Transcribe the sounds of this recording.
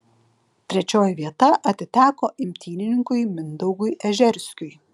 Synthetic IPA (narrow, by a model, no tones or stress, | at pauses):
t̪ʲɾʲɛt͡ʃʲoːjɛʋʲiɛt̪ɐʔɐt̪ʲɪt̪ʲæːkoːʔɪmʲt̪ʲiːnʲɪnʲɪŋkʊɪmʲɪnd̪ɔʊɡʊjʔɛʒʲɛɾʲsʲkʲʊj